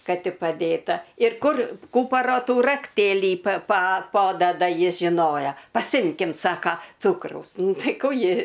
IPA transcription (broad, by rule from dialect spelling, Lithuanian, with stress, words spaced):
ˈkɐ ˈtʲɪ pɐˈdʲeːtɐ ɪr ˈkʊr ˈkuːpɐroː ˈtuː rɐkˈtʲeːlʲiː pɐ pɐ ˈpoːdɐdɐ ˈjɪs ʒʲɪˈnoːjɛ pɐˈsʲɪmʲkʲɪm ˈsɑːkɐ ˈt͡suːkrɐʊs ˈnʊ ˈtɐɪ ˈkuː ˈjɪ